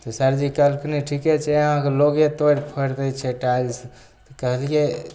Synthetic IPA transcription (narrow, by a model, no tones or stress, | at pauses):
t̪ɔsəɾd͡ʒikəlkniʈʰikɛt͡ʃʰɛəɦãkeloɡet̪oɾpʰəɾt̪ɛt͡ʃʰɛʈad͡ʒs | t̪ɔkəɦəlije